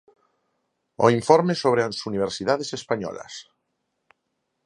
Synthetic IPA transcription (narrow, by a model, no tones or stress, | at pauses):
o̰iɱfoɾmesoβ̞ɾeasuniβ̞eɾsiðaðesespaɲɔ̰la̰s